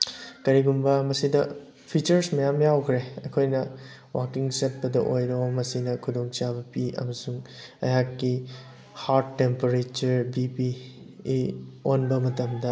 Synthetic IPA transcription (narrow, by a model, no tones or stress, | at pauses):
kɐɾiɡumbɐmɐsidɐ | pʰit͡ʃɐɾsmɐjamjawkʰɾeɐkʰojnɐwakiŋsɐt̚pɐdɐʔojɾomɐsinɐkʰudoŋsabɐpiɐ̰mɐsuŋɐ̰jakːi | haɾtːempɐɾet͡ʃɐɾbipiː | onbɐmɐtɐmdɐ